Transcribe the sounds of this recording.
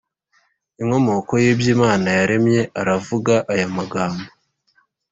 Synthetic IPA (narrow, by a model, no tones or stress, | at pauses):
iŋo̞mo̞ko̞jiːbjiːmaːnajaɾe̞mɲe̞ʔaɾavuɡaʔajamaɡaːmbo